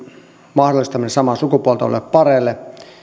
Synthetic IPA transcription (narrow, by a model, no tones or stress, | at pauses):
mɑhdolːˑist̪ɑminesɑmɑsukupuolt̪ɑo̰lḛppɑrelːe